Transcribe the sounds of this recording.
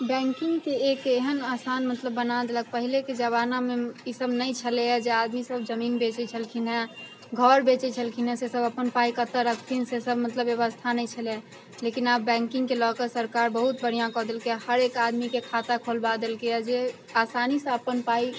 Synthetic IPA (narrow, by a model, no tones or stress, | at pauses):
bɛ̃ŋkiŋɡkeekːɦənasanmət̪ləbːənad̪elək̚pəɦileked͡ʒəβanameisəbnəjt͡ʃʰəlejad͡ʒead̪misəbd͡ʒəminbet͡ʃɛt͡ʃʰəlkʰinɦɛ̃ | ɡʱɔɾbet͡ʃɛt͡ʃʰəlkʰinɦɛsesəbəpənpaikət̪əɾəkʰt̪ʰinsesəbmət̪ləbjəβəst̪ʰanəjt͡ʃʰəlɛ | lekinabːɛ̃ŋkĩŋɡkelɔkəsəɾkaɾbəɦut̪̚bəɽ̤ijãkɔd̪elkeahəɾekad̪mikekʰat̪akʰolbad̪elkead͡ʒe | asanisə̃əpənpai